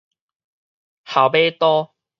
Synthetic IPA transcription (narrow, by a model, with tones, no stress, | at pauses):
ha˨˩wbe˦t̪ɔ˦